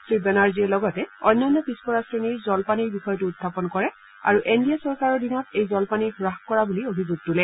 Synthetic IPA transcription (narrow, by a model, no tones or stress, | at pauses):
tɹibɛnaɹziɛlɔɡɔtɛɔnːanːɔpispɔɹasɹeniɹzɔlpaniɹbixɔjɔtuːd̚d̪ʰʱapɔnkɔɹɛ | a̰ɹuʔendiasɔɹkaɹɔɹdinɔtejzɔlpaniɹxuɹaxkɔɹabuliobʱizuɡ̚tulɛ